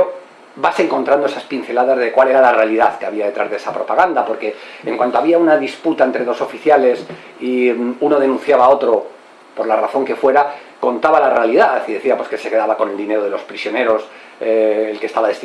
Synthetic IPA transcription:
o | base̞ŋko̞nt̪ɾand̪oe̞saspin̟θe̞laðazðe̞kwale̞ɾalare̞aliðaθkeaβiaðe̞t̪ɾazðee̞sapɾo̞paɣand̪apo̞ɾke̞eŋkwant̪o̞aβiaunaðisput̪aent̪ɾe̞ðo̞so̞fiθjale̞s | iuno̞ð̞e̞nũn̟θjaβao̞t̪ɾo̞ | po̞ɾlaraθo̞ŋke̞fwe̞ɾa | ko̞nt̪aβalarealiðaθiðe̞θiapwo̞ske̞se̞ke̞ðaβako̞ne̞ld̪ine̞ɾo̞ð̞e̞lo̞spɾisjo̞ne̞ɾo̞sː | lkest̪aβaðe̞st̪i

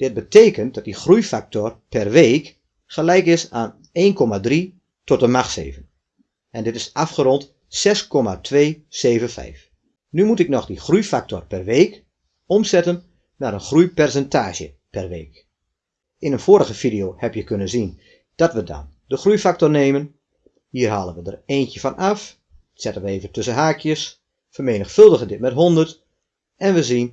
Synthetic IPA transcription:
d̥ɪt̚bəteːkənt̚dɔt̚dixrujfak̚tɔrpɛrʋeːk | xəlɛjkɪsaːn | eːnkɔmadri | tɔt̚əmaxsḛːvən | ʔɛndɪtɪsafχəɾɔnt | sɛskɔmatʰʋeːseːvənfɛ̰jf | nymutɪk̚nɔxdixrujfak̚tɔrpɛrʋeːk | ɔmsɛtənː | aːɾənxrujpɛrsɛntaːʒə̰ | pɛrʋeːk | ɪnənfoːɾəɣəfidijoːhɛpjəkønənzin | d̥ɑtʋədɑ̰ndəxrujfak̚tɔrneːmən | hiːrɦaːlənʋədəreːntəfɑnɑf | sɛtənʋəeːvəntɵsəɦaːkʰjəs | fərmeːnəxfɵlˠdəɣəndɪt̚mɛtɦɔndərt | ɛnʋəzin

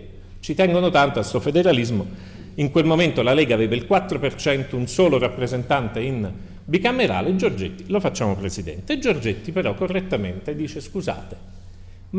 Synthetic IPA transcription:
t͡ʃit̪ɛŋɡonot̪ant̪oasofed̪eɾalizmo | iŋkwelmoment̪olalɛːɡaveːvailkwat̪ːɾopert͡ʃɛnt̪ounsoːlorapːɾezent̪ant̪ein | bikamːeɾa̰ːled͡ʒord͡ʒet̪ːi̥lofat͡ʃːaːmopɾezid̪ɛ̰nt̪eːd͡ʒord͡ʒet̪ːipeɾɔkːorːet̪ːament̪ed̪iːt͡ʃeskuza̰ːt̪e̥

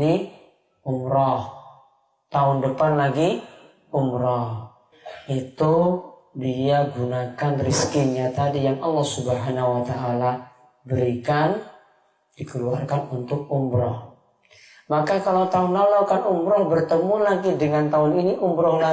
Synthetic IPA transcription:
i | umɾɔh | t̪aʊndəpanlaɡi | umɾɔh | it̪u | diaɡunakanriskiɲat̪adijaŋɑlːɔhsubəɦanauwat̪aʔːla | bəɾikan | d̥ikəluarkanunt̪ʊk̚umɾɔh | makakalawt̪aʊnːɔlɔkanumɾɔhbərt̪əmulaɡidəŋant̪aʊniniʔumɾɔhla

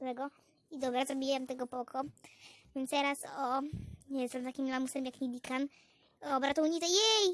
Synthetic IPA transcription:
wɛɡɔ | id̪ɔbɾazɾɔbʲiwɛmt̪ɛɡɔpɔkʰɔvʲjɛnt̪t̪ɛɾasɔjɛst̪ɛmt̪akʲimlamusɛmjakɲibʲikan | ɔbɾat̪ɔwɲit̪ɔjɛj

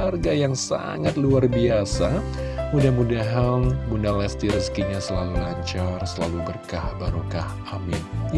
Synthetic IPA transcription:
arɡajaŋsa̰ŋat̪̚luarbiasa | mudahmudaɦanbundalɛst̪iɾəskiɲasəlalulaɲt͡ʃarsəlalubərkahbaɾukah | amɪn

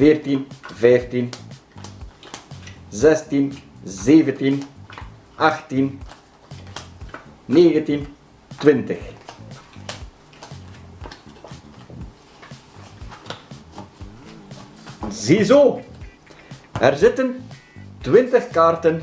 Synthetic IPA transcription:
fert̪invɛft̪in | zɛst̪in | zeːvənt̪in | axt̪in | neːɣənt̪in | t̪wɪnt̪əx | zizo | ɛrzɪt̪ən | t̪wɪnt̪əxkart̪ən

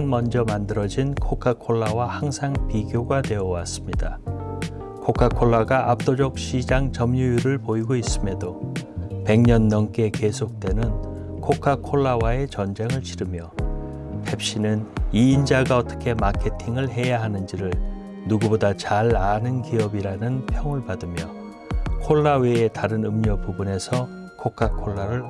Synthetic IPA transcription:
nmʌnd͡ʑʌmandɯɾʌd͡ʑinkʰokʰakʰoɭːawahaŋsʰaŋpiɡjoɡatwe̞ʌwa̰s͈ɯmɲida | kʰokʰakʰoɭːaɡaʔap̚t͈od͡ʑʌk̚ɕ͈ʰid͡ʑaŋt͡ɕʌmɲujuɾɯɭpoiɡois͈ɯmedo | pe̞ŋɲʌnːʌnk͈e̞ke̞sʰok̚t͈we̞nɯnkʰokʰakʰoɭːawae̞t͡ɕʌnd͡ʑe̞ŋɯɭɕʰiɾɯmjʌ | pʰe̞p̚ɕ͈inɯniːnd͡ʑaɡaʌt͈ʌ̥kʰe̞makʰe̞tʰiŋɯɭɦe̞jaɦanɯnd͡ʑiɾɯɭ | nuɡubodat͡ɕaɭanɯnkiʌbiɾanɯnpʰjʌŋɯɭpadɯmjʌ | kʰoɭːawe̞ːtaɾɯnɯmɲʌpubune̞sʰʌ | kʰokʰakʰoɭːaɾɯɭ

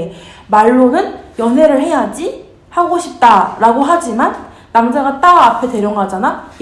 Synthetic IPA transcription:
maɭːonɯnjʌnɦwe̞ɾɯɭɦe̞jad͡ʑi | haɡoɕʰip̚t͈aɾaɡoɦad͡ʑimanː | amd͡ʑaɡat͈aːpʰe̞te̞ɾjʌŋɡad͡ʑanaj

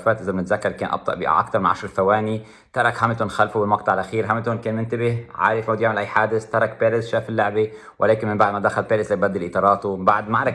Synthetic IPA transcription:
faːt̪ʔɪzabnɪt̪zakːɑɾˤkeːnʔɑ̰b̚t̪ˤɑ̰ʔbɪ̰ʔa̰kt̪ɑɾˤmɪnʕaʃɾˤɪlfawaːni | t̪ɑɾˤɑkɦamːt̪ʊnxalfubɪlmɑq̚t̪ˤɑʕlʔaxiːɾɦamːt̪ʊnkeːnmɪnt̪abɪhʕa̰ːɾɪfʔʊd̪jaːmɪlʔajħaːd̪ɪst̪ɑɾˤɑk̚peːɾɪsʃaːfɪlːʊʕbe | wʔɪ̰leːkɪnmɪmbaʕd̪mad̪axalpeːɾɪslajbad̪ːɪlʔɪt̪ˤɑːɾˤɑːt̪uɪbaʕd̪maʕɾˤɪk

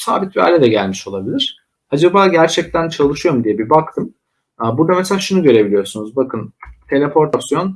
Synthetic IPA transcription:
sa̰ːbit̪̚bia̰ːlʲɛd̪ɛɟælʲmiʃo̞lˠabilʲiɾ̥ | ad͡ʒabaːɟæɾt͡ʃʰɛc̚t̪ʰænt͡ʃʰalˠɯʃɯjo̞ɾumd̪ijɛbibakt̪ʰɯmː | buɾd̪amɛselʲaʃunuɟø̞ɾe̞bilʲijoɾsunuzbakʰɯnt̪ʰe̞lʲepo̞ɾt̪asjo̞n

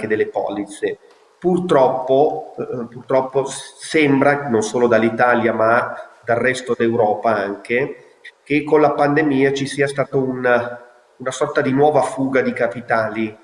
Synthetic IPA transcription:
ked̪elːepɔ̰ːlit̪se | purt̪ɾɔpːopurt̪ɾɔpːosɛmbɾanonsoːlod̪alːit̪aːljamad̪alrɛst̪od̪ewɾɔːpaaŋke | kekːonlapand̪emiːat͡ʃisiːast̪aːt̪oun | unasɔrt̪ad̪inwɔːvafuːɡad̪ikapit̪aːli

